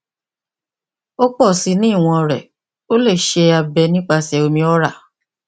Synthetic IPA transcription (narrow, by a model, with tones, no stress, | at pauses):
o˦k͡pɔ˦˨si˨˦nĩ˦˨w̃ɔ̃˧ɾɛ˨ | o˦le˦˨ʃe˧˦a˧bɛ˧nĩ˦k͡pa˧sɛ˧o˧mĩ˧ɔ˦ɾa˦˨